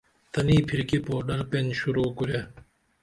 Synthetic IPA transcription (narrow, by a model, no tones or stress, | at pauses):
t̪ɐniːpʰiɾkipoːɖɐɾpenɕuɾoːkuɾje